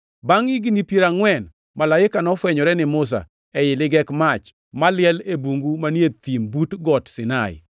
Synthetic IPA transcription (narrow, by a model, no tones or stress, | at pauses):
baŋiɡinipjeɾaŋwɛn | malaɪkanɔfwɛɲɔɾɛnɪmʊs̬a̰ | ɛjɪlɪɡɛkmat͡ʃ | malɪɛlebuŋɡumanjet̪imbutɡɔtsɪnaɪ̰